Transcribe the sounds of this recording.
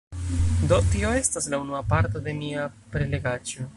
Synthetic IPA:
do̞tio̞e̞staslaunuapaɾto̞de̞miapɾe̞le̞ɡad͡ʒo

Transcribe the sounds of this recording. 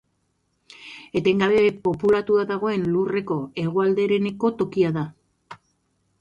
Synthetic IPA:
e̞t̪e̞ŋɡaβe̞po̞pulat̪uaðaɣ̞o̞e̞nlure̞ko̞e̞ɣ̞oald̪eɾe̞ne̞ko̞t̪o̞kiaða

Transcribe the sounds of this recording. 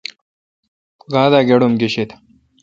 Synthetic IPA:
ɡaːd̪aɡeɽumɡeɕet̪

